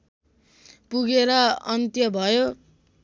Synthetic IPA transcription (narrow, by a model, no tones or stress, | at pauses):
puɡeɾʌʌnt̪jʌbʱʌjo